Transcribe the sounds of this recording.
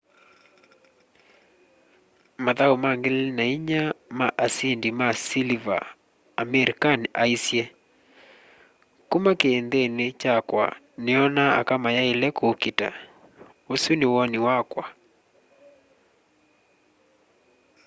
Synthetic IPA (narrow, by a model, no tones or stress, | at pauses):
maðaumaŋɡelnaiɲamaʔasindimasiliva̰ː | mɛɾikanʔaisjɛ | kumakeːnd̪enet͡ʃakwa̰ | nɪɔnaa̰kamajaelɛkokita̰ | osunɪwɔnɪwakwa